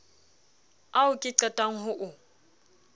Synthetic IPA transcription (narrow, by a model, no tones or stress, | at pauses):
aʊkʼɪǀɛtʼaŋ̩ɦʊʔʊ